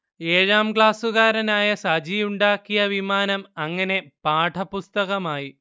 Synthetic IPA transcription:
eːɻaːmɡɭaːsuɣaːɾɐnaːjɐsɐd͡ʑijuɳɖaːkːijɐʋimaːnɐmɐŋːɐne̞paːʈʰɐpust̪ɐɣɐmaːji

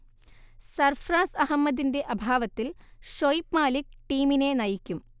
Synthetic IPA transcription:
sɐrfraːsɐɦɐmːɐd̪inde̞ʔɐbʱaːʋɐt̪ːilʂojpmaːlikʈiːmine̞nɐjikʲːum

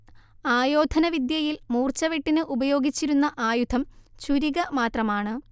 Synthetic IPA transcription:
aːjo̞ːd̪ʱɐnɐʋid̪jɐjilmuːrt͡ɕɐʋiʈːinɨʔubɐjo̞ːɡit͡ɕːiɾunːɐʔaːjud̪ʰʱɐmt͡ɕuɾiɣɐmaːt̪rɐmaːɳɨ

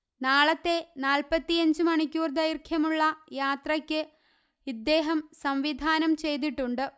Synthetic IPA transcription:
naːɭɐt̪ːe̞naːlpɐt̪ːijɐɲd͡ʑɨmɐɳikʲːuːrd̪ɐjirkʰjɐmuɭːɐjaːt̪rɐkʲːɨ | id̪ːe̞ːɦɐmsɐmʋid̪ʱaːnɐmt͡ɕe̞jt̪̬iʈːuɳɖɨ

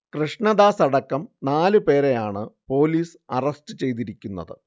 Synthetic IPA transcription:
krɨʂɳɐd̪aːsɐɽɐkːɐmnaːlɨpe̞ːɾejaːɳɨpo̞ːliːs | ɐrɐstɨt͡ɕe̞jt̪̬iɾikʲːunːɐ̰ðɨ̰

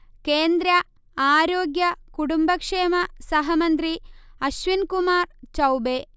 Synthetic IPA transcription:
keːnd̪ɾɐ | aːɾoːɡjɐkuʈumbɐkʂeːmɐsɐɦɐmɐnt̪ɾiɐʃʋinkumaːɾt͡ʃɐwbeː

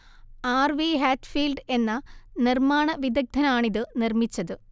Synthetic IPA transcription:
aːrʋiːɦaːʈfiːlɖe̞nːɐnirmaːɳɐʋid̪ɐɡ̚d̪ʱɐnaːɳiðɨnirmit͡ɕːɐðɨ

